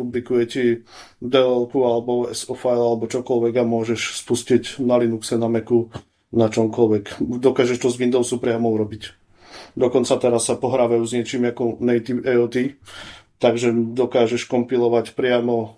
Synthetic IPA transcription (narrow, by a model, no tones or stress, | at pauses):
publikujɛci | d̪ɛɛlkualɛbɔɛsɔfajlalɛbɔt͡ʃɔkɔlʋɛɡamʊɔʒɛʃspusciɟnalinuksɛnamɛku | nat͡ʃɔmkɔlʋɛkd̪ɔkaːʒɛʃt̪ɔzʋind̪ɔʊsupɾɪamɔuɾɔbic | d̪ɔkɔnt͡sat̪ɛɾasːapɔɦɾaːʋajuzɲɛt͡ʃiːmjakɔnɛjt̪ipɛɔt̪it̪aɡʒɛd̪ɔkaːʒɛʃkɔmpilɔʋacpɾɪamɔ